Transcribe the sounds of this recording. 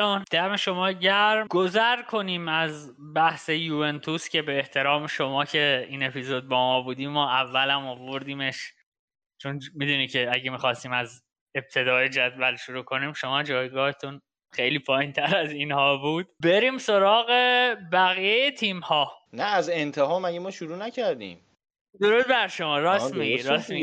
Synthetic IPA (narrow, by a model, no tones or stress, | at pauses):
und̪̥æmeʃo̞mɒːɟæɾmɡozæɾkʰo̞niːmæz | bæhse̞juːent̪ʰuscʰʲe̞beːht̪ʰe̞ɾɒːmeʃo̞mɒːcʰe̞iːne̞pʰizod̪̚bɒːmɒːbuːd̪iːmːɒːʔævːælæmovoɾd̪iːme̞ʃ | t͡ʃʰonmid̪uːniːcʰe̞æɟemiːxɒːst̪iːmæz | e̞b̥̚t̪ʰe̞d̪ɒːjed͡ʒæd̪vælʃoɾuːkʰo̞niːmʃo̞mɒːd͡ʒɒːjɡɒːhet̪ʰun | xejliːpʰɒːjiːnt̪ʰæɾæzinhɒːbuːd̪̥be̞ɾiːmso̞ɾɒːɣebæɣijejet̪ʰiːmhɒːnæːzent̪ʰeɦɒːmæɟemɒːʃuɾuːnæcʰæɾd̪ḭ̃ːm | d̪o̞ɾuːd̪̚bæɾʃo̞mɒːɾɒːsmiiɾɒːsmi